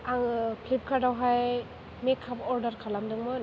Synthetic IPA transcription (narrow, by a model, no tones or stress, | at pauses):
aŋkʰlip̚kʰadawɦaj | mekʰːapɔɾdaɾkʰalamdɯŋmɔn